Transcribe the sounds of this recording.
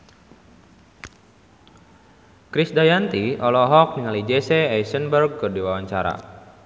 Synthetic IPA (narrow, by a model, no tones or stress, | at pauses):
kɾisdajant̪iʔɔlɔɦɔk̚niŋalid͡ʒesɛɛjsənbərɡ̚kɨrdiwawaɲt͡ʃaɾa̰